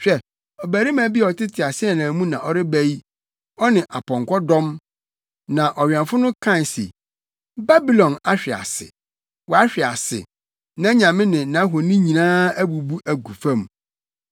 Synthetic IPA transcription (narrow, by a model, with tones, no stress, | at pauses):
ɕᶣɛ˦˨ | ɔ˨bæ˨ɾi˦mã˨bi˦˨ɔ˨tɪ˦tʰɪ˨a˨sɪ˦ɛ˦˨nã˨mũ˦nã˨ʔɔ˦ɾɪ˦bæ˦i˦ | ɔ˦nɪ̃˨ʔa˨pʰɔ̃˨ŋkʰʷɔ˦dɔ̃˦m | nã˨ʔɔ˨ɥɛ̃˨nfʊ˦nʊ̃˦kʰã˦˨n˨sḛ˨ | ba˦bi˨lɔ̃˨na˦ɕᶣɪ˨a̰˨sɪ̰˨ | wɔ˨a˦ɕᶣɪ˨a˨sɪ̰˨ | nã˦ɲã˨mɪ̃˦nɪ̃˨nã˨˦ɦo˨nĩ˦ɲĩ˨nãː˦æ˦bu˨bu˦ʔæ˨ɡu˨fã˦˨m